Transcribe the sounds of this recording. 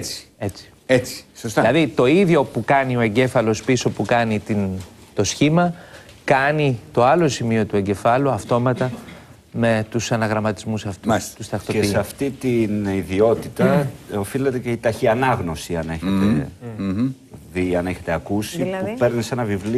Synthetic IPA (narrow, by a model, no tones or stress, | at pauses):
t͡si̥et͡si̥ | et͡si̥sost̪ilɐðit̪o̞iðʝo̞pukɐnio̞e̞ɲɟe̞fɐlo̞spiso̞pukɐnit̪int̪o̞sçimɐkɐnit̪o̞ɐlo̞simio̞t̪ue̞ɲɟe̞fɐluɐft̪o̞mɐt̪ɐ | me̞t̪usɐnɐɣɾɐmɐt̪izmusɐft̪ut̪ust̪ɐxt̪o̞esɐft̪it̪iniðio̞t̪it̪ɐofilet̪eceit̪ɐçiɐnɐɣno̞siɐne̞çet̪e | viɐne̞çet̪eɐkusiupe̞ɾnise̞nɐvivli